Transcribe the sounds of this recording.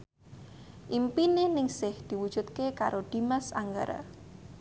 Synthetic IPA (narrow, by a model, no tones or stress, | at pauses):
ʔimpinenɪŋsɪhd̪̥i̤wud̥ʒ̥ṳt̪̚kekaɾod̪̥imasa̰ŋɡaɾa̰